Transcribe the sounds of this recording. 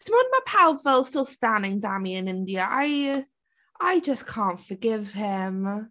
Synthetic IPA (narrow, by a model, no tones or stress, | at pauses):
səmə̃nəmapʰawfəlˠstɪlˠstãndɪ̃ŋdamiɪ̃nɪ̃ndiəʔa̰ɪ | aɪd͡ʒʌskʰɑ̃ːˑntfəɡɪv̥ɪm